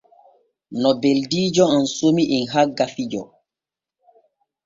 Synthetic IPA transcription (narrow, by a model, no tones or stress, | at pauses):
nɔbeldiːd͡ʒɔansomiʔinɦaɡːafid͡ʒɔ̰